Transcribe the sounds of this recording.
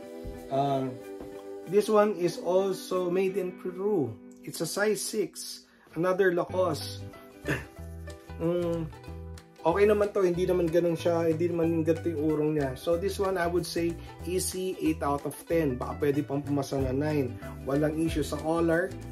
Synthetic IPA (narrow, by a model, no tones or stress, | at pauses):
ʔa | d̪ɪswanɪsolsomejd̪ɪ̃npɹu | ʔɪt̪sɐsajsɪks | ʔɐnad̪əɹlɐkos | ʔoːkɛjnɐmant̪o̞hɪnd̪inɐmanɡɐnonʃɐhɪnd̪inɐmanjʊŋɡɐnt̪ɪjʊŋʔuːɾoŋɲasod̪ɪswãnɐjwʊd̪sej | ʔisiʔejt̪awt̪ɔv̥t̪ɛnbɐka̰pwɛːd̪ɪpɐŋpʊmɐsɐnɐnajnwɐlɐŋʔiːʃʊsɐkoːlɛɹ